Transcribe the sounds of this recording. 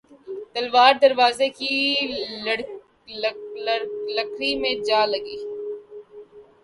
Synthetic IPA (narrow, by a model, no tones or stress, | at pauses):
t̪ɐlʋaːɾd̪ɐɾʋaːzeki | ɽ | lɐkʰɾimẽd͡ʒaːlɐɡiː